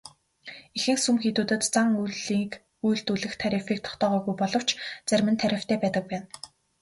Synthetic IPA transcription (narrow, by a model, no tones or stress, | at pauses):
exɘ̆ŋsumxet̪uːt̪ɘ̆t̪t͡saŋujɮiːk | ujɬt̪uɮɘ̆xt̪ʰːæɾʲefek̚t̪ʰɔ̥χt̪œːʁɔːɣujpɔɮɞ̆w̥t͡ɕʰt͡sæɾʲmɘ̆nt̪ʰæɾʲɪ̆w̥t̪ʰæːpæːt̪ə̆k̚pæːn